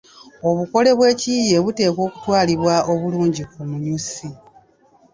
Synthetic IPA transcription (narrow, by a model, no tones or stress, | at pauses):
o̞βuko̞le̞βwe̞ːcije̞βute̞ːko̞ːku̥twaːliβwao̞βuluːɲɟikumuɲusi